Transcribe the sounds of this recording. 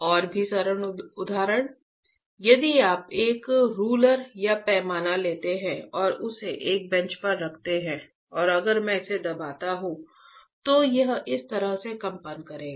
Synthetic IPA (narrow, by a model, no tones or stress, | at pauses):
ɔːɾbʱisəɾəɳʊd̪ʱaːɾəɽ̃ | jɐd̪iaːpeːkɾuːləɾjapɛːmaːnaleːt̪eɦɛ̃ɔːɾʊseʔeːk̚bɛ̃ɲt͡ʃpɐɾːɐkʰt̪eɦɛ̃ː | ɔːɾɐɡəɾmɛ̃ɪsed̪ɐbʱaːt̪aɦũt̪ojɐɦɪst̪ɐɾəɦsekɐ̃mpənkɐɾẽːɡaː